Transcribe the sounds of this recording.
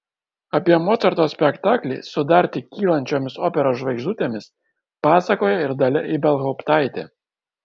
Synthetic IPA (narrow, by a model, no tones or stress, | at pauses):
ɐpʲiɛmɔːt̪sɐɾt̪oːsʲpʲɛkt̪ɑːklʲɛ̰ɪsʊd̪ɑˑɾʲt̪ʲɪkʲiːlˠɐnʲt͡ʃʲoːmʲɪsoːpʲɛɾoːʒʋɐɪɡʒd̪uːt̪ʲeːmʲɪs | pɑːsɐkoːjɛɪɾd̪ɐlʲɛʔibʲɛlˠɦɔʊpt̪ɑˑɪt̪ʲḛː